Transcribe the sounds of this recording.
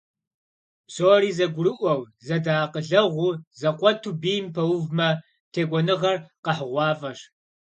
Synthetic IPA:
psoːriːzɐɡʷʊɾɨʔʷɐw | zɐdaːqəɮɐʁʷuzɐqʷɔtʰuːbiːjmpʰɐwʊvmɐ | tʰeːɡʷɔnɨʁɐrqɐħəʁʷɑːfʼɐɕ

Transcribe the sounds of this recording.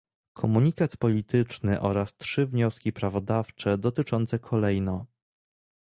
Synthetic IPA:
kʰɔmuɲikat̪pɔlʲit̪ɘt͡ʂnɘʔɔɾastʂɘvɲɔskʲipɾavɔd̪aft͡ʂɛd̪ɔt̪ɘt͡ʂɔnt̪sɛkʰɔlɛjnɔ

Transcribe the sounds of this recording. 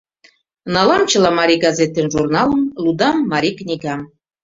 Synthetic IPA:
nɑlɑmt͡ɕə̆lɑmɑɾʲiɡɑzet̪enʒurnɑlˠə̆nlud̪ɑmːɑɾʲiknʲiɡɑm

